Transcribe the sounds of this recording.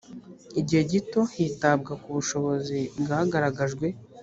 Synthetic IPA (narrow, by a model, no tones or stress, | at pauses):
iɟiheɟito̞hitab̚ɡakuβuʃo̞βo̞zibɡahaɡaɾaɡaʒɡwe̞